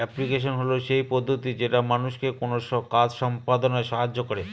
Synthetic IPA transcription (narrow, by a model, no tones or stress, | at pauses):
ɛplikeʃ̬onɦoloʃejpod̪ʱːot̪id͡ʑeʈamanuʃkekonoʃɔkad͡ʑʃɔmpad̪onaeʃaɦad͡ʑːokoɾe